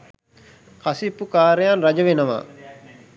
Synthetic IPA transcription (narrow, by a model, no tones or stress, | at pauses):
kɐsipːukaːɾəjanrɐd͡ʒəʋenəʋa̰ː